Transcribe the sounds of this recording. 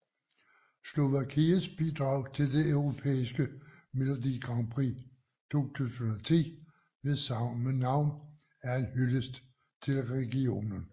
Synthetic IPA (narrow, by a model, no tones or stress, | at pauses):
slo̝ʋækʰiːəsb̥id̥ʁɑ̈ʊ̰t͡sʰe̝ld̥e̝ʔœʊʁo̝pʰḛːisɡ̥əmelo̝dḭɡ̥ʁɑ̈ŋb̥ʰʁi | t͡sʰo̝̰ːt͡sʰṵːsənɒt͡sʰḭː | ʋe̝ðsɑ̈ʊmənɑ̈ʊ̰n | æɐenhyləsd̥ | t͡sʰe̝lʁɛɡ̥io̝̰ːnən